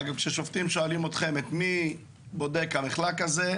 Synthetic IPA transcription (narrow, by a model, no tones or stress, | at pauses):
aɡavkʃeʃoft̪imʃoalimot̪χe̞met̪mi | bo̞d̪ekhamiχlakaze̞